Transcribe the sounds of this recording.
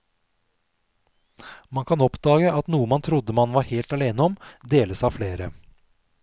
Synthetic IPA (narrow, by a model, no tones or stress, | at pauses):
mɑŋkʰɑnɔpd̪ɑːɡəʔɑt̪nuːəmɑnt̪ʰɾʊd̪əmɑnʋɑːɾheːlt̪ɑleːnəɔmd̪eːləsɑːfleːɾə